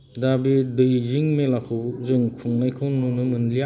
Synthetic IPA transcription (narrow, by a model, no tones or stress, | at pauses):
dabidɯjziŋmelakʰɯwzɯŋkʰuŋnajkʰɯwnunumɯnlia